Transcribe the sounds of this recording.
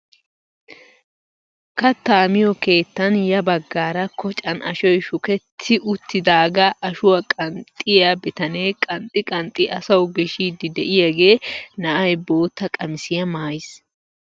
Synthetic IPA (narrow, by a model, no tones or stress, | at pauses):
kɐt̪ːaːmɪjɔke̞ːt̪ːɐnjɐbɐɡːaːɾɐkʰɔt͡ʃʼɐnʔɐ̰ʃɔjʃʊkɛt̪ʰːɪʔʊt̪ːɪd̪aːɡɐʔːʃʊwɐkʼɐnt̪ʼːɪjɐbɪt̪ɐneːkʼɐnt̪ʼːɪkʼɐnt̪ʼɪʔɐsɐwɡɛʃiːd̪ɪd̪ɛʔɪjɐɡe̞ːnɐʔɐjbo̞ːt̪ːɐkʼɐmɪsɪjɐmaːjɪs